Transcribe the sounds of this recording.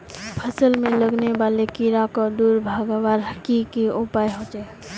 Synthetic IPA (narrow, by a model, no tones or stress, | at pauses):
pʰəsəlmẽləɡnebalekiɾakɔd̪uɾbʱaɡʋaɾɦəkikiupajɦot͡ʃɛ